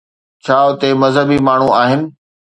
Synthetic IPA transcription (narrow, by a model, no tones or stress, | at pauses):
t͡ɕʰaːʊt̪emɐzɦəbimaːɳ̤ũaːɦɪnɪ̆